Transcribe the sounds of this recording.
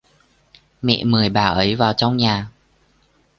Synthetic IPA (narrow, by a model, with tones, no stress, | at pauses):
mḭ˧˨mɨ˨˩əjɓaː˨˩ʔə˨˦jvaː˨˩wt͡ɕɔ˧wŋ͡mɲaː˨˩